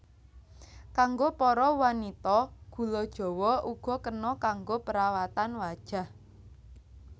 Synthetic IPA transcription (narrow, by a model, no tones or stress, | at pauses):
kaŋɡopɔɾɔwanit̪ɔɡ̥ṳlɔd̥ʒ̥ɔ̤wɔuɡ̥ɔ̤kənɔkaŋɡopəɾawat̪anwad̥ʒ̥a̤h